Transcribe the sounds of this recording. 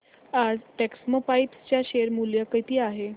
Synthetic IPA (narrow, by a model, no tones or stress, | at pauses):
ad͡zʈeksmopajpst͡ɕjaɕeɾmuljəkət̪iːaɦe